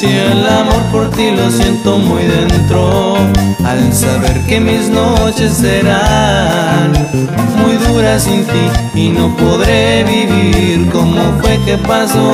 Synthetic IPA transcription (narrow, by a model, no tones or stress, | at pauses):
sielamo̞ɾpo̞ɾt̪ilo̞sje̞nt̪o̞mujðe̞nt̪ɾo | aðensaβe̞ɾke̞misno̞t͡ʃe̞sːe̞ɾa | n | mujðuɾasint̪iː | no̞poðɾe̞βiβiɾko̞mo̞fwe̞ke̞paso